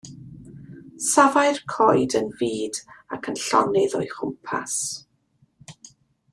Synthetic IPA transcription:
savaɨrkʰɔjdənviːdakʰənɬɔ̰nɪðɔjχʊmpʰa̰s

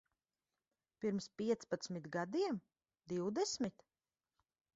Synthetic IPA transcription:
piɾmspʲiɛt̪spat̪smit̪ɡad̪iɛm | d̪iwd̪ɛsmit̪

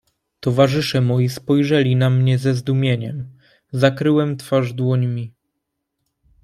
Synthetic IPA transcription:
t̪ɔvaʐɘʂɛmɔjispɔjʐɛlʲinamɲɛzɛzd̪umʲjeɲɛm | zakɾɘwɛmt̪faʐd̪wɔɲmʲi

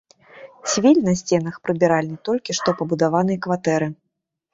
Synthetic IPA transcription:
sʲvʲilʲnɐsʲt͡sʲɛnɐxpɾɨbʲiɾalʲnɨt̪ɔlʲkʲiʂt̪ɔpɐbud̪avanɨjɐkvat̪ɛɾɨ

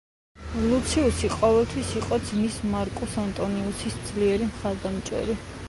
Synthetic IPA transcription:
lut̪sʰiusiqʼɔvɛlˠt̪ʰwisiqʼɔd̪zmismaɾkʼusant̪ʼɔniusisd̪z̥liɛɾimχaɾd̪amt͡ʃʼɛ̰ɾi

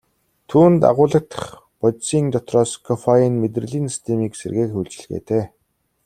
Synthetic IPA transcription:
t̪ʰuːnt̪a̰ʁʊːɮə̆k̚t̪ə̥̆χ | pɔtsiːnt̪ɔt̪rɔːskʰɔfajiːnmet̪̬rɘ̆ɮiːnst̪ʰemiːkserɣeːkuɮt͡ɕɪ̆ɮɣḛːt̪ʰeː

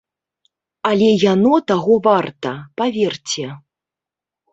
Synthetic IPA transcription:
alʲɛjanɔt̪aɣɔvart̪ɐpavʲɛrt͡sʲɛ

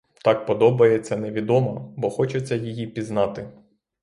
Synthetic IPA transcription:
t̪ɑk̚pɔd̪ɔbɐjet͡sʲːɐnɛʋʲid̪ɔmɔbɔxɔt͡ʃɛt͡sʲːɐjijipʲiznɑt̪ɪ

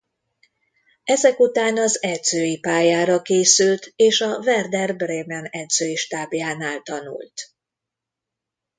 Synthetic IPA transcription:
ɛzɛkut̪aːnɒzɛd̪z̥øːjipaːjaːɾɒkeːsylt̪eːʃɒvɛrd̪ɛrbreːmɛnɛd̪z̥øːjiʃt̪aːbjaːnaːlt̪ɒnṵlt̪

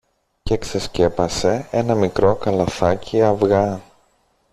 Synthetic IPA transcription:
cekse̞sce̞pɐse̞e̞nɐmikɾo̞kɐlɐθɐciɐvɣɐ

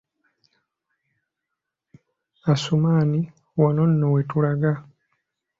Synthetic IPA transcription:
asumaːni | wanonːowetulaɡa

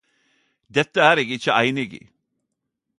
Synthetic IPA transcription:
d̪ɛt̪əæːɾeːɡɪçəʔæɪnɪɡḭː

